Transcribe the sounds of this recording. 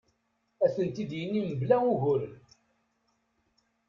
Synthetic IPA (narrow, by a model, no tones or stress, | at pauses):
æsənt̪id̪jənːiməblæuʝʊɾən